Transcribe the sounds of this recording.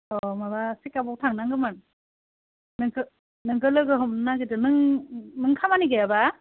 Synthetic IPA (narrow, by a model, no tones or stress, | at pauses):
ɔmabasikːabɔktʰaŋnaŋɡɯmɯn | nɯŋkɯ | nɯŋɡɯlɯɡɯɦɯmnaɡɯtɯnɯŋnɯŋkʰamaniɡajaba